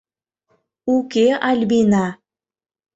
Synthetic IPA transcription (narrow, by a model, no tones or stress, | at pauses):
ukeʔɑlʲbina